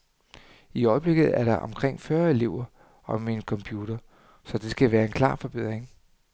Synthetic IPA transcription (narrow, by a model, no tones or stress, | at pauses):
iɒ̽ɪb̥le̝ɡ̥ð̞̩ˠæɐɾ̥ɑ̈ʔɒ̽mkʰʁeŋ̰fɶɐe̝le̝ʊ̰ɐ | ɒ̽minəkʰɒ̽mpʰjuːɾ̥ɐ | sɒ̽d̥e̝sɡ̥æʋæːɐe̝nkʰlɑ̰̈ːfɒ̽b̥e̝ð̰ˠʁeŋ